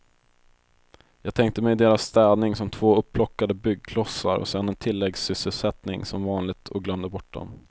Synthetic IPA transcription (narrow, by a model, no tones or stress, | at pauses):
jɑːɡ̚t̪ʰɛŋk̚t̪əmɛjd̪eːɾasːt̪ɛːd̪nɪŋsɔmt̪ʰv̥oːɵpːlɔkːad̪əbʏɡ̚kʰlɔsːaɾɔ̰sɛnːɛnt̪ʰɪlːɛɡsʏsːəlsɛt̪nɪŋsɔmvɑːnlɪɡ̚t̪ʰɔɡlœmd̪əbɔʈ̚ːɖɔ̰m